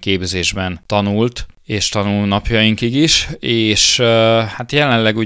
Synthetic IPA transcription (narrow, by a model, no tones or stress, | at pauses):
keːbzeːʒbɛnt̪ɒnult̪eːʃt̪ɒnulnɒpjɒjiŋkiɡiʃeːʃhat̪jɛlɛnlɛɡuː